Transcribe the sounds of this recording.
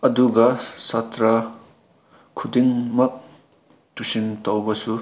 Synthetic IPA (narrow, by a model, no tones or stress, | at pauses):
ɐduɡɐsɐtɾɐ | kʰudiŋmɐk̚ | tusimtɐwbɐsu